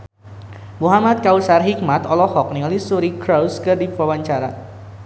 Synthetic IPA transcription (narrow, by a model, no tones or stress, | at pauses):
muɦamat̪̚kausarɦik̚mat̪ɔlɔhɔk̚niŋalisuɾikɾawskɨrdipawaɲt͡ʃaɾa